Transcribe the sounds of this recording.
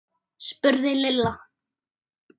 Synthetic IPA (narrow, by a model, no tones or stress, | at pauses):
spʏɾðɪlɪlːa